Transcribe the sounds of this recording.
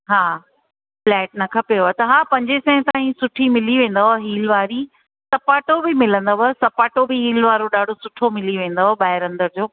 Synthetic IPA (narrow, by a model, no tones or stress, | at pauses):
ɦaː | flɛːʈ̚nɐkʰɐpejoɦt̪ɐɦãːpɐ̃ɲd͡ʑesɛ̃ɦt̪aːĩsʊʈʰimɪliʋẽːn̆d̪aɦoɦiːlʋaːɾi | sɐpaːʈobɪmɪlə̃nd̪oɦɐsɐpaːʈobɪɦiːlʋaːɾoɗaːɖʱosʊʈʰomɪliʋẽːn̆d̪oɦoɓaːɪɾɐ̃nd̪əɾd͡ʑoː